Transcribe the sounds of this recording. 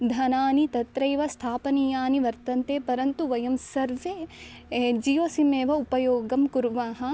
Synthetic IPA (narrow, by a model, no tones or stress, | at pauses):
d̪ʱɐnaːnit̪ɐt̪ɾɐjʋɐst̪ʰaːpɐnijaːniʋɐɾt̪ɐnt̪eːpɐɾɐnt̪uʋɐjɐmsɐɾʋeː | d͡ʒijɐsimeːʋɐupɐjoːɡɐmkuɾʋaːɦɐ̆